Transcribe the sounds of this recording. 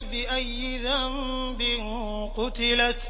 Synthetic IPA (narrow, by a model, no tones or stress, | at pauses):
bɪʔajːɪðam | bɪn | qʊt̪ɪlat̪